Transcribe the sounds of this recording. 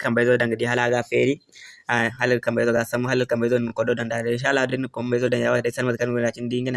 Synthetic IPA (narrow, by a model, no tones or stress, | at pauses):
kɐmbajzodaŋɡədiɦalaɡafeɾi | aɦalalkambajzoɡasamːuɦalalkambazonkododandadinʃ̬alːahudinkombazodanjawadasalmakaɡɾat͡ʃindiŋɡina